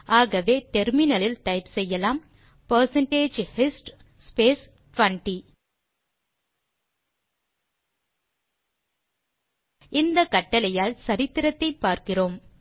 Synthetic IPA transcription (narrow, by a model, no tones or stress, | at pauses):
aːɣɐʋeːʈɛɾmɪnɐlɪlt̪ɐɪpsɛjːɐlaːm | pɐɾsɐɳʈeːd͡ʒhɪsʈ | speːs | ʈʋɐɳʈi | ɪnd̪ɐkɐʈːɐlɐjaːlsɐɾɪt̪ːɪɾɐt̪ːɐɪpːaːɾkɪroːm